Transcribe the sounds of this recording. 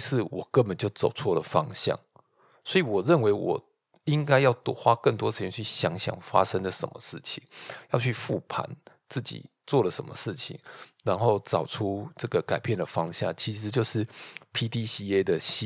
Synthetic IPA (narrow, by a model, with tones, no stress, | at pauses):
sɹ̩˥˩wɔ˨˩kə˦nbə˨nt͡ɕjo˥˩ʊt͡so˨˩ʊt͡sʰwɔ˥˩lə˩fɑ˦ŋɕjɑ̰˥˩ŋ | swɔ˧˥i˨wɔ˨˩ɻə˥˨nwe˧˥ɪwɔ̰˨˩ | i˦˥ŋka˥ɪjɑ˥˩ʊt̪xwa˦kə˥˩nt̪wɔ˥ə˩ʂ̩˧˥˧t͡ɕʰy˥˩ɕjɑ˧˥ŋɕjɑ̰˨˩ŋfa̰˦ʂə˦ŋd̪ə˨ʂə̰˧˦nmə̰˨˧ʂɻ̩˥˩t͡ɕʰi˨˦ŋjɑ˥˧ʊt͡ɕʰy˥˧fu˥˩pʰa̰˧˦n | t͡sɹ̩˥˩t͡ɕḭ˨˩t͡swɔ˥˩lə˩ʂə˧˦nmə̰˧ʂɻ̩˥˩t͡ɕʰḭ˨˩ŋɻa˧˦nxo˥˩ʊt͡sɑ˨˩ʊʈ͡ʂʰu˦ʈ͡ʂɤ˥˩ɡə˩ka˨˩ɪpjɛ˥˨˩nd̪ə˩fɑ˦˥ŋɕja̰˥˩ŋt͡ɕʰi˧˥ʂɻ̩˧˦t͡ɕjo˥˧ʊʂɻ̩˥˩pʰi˥t̪i˥ɕi˥e˥d̪ə˨ɕi˥